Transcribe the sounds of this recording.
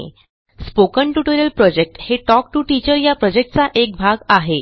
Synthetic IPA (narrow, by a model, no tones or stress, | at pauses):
spokəɳʈuʈoɾiəlpɾɔd͡ʑek̚ʈheʈɔk̚ʈuʈit͡ɕəɾjapɾɔd͡ʑek̚ʈ̚t͡saʔek̚bʱaɡaɦe